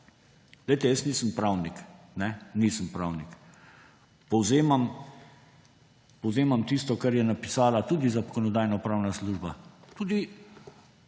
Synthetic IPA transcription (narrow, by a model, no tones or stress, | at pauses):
d̪əjt̪ɛjəsniːsəmpɾawnik | nɛniːsəmpɾawnik | pɔwzeːmam | pɔwzeːmamt̪iːst̪ɔkaɾjɛnapi̥saːlat̪uːd̪izakɔnɔd̪aːjnɔpɾawnasluːʒbat̪uːd̪i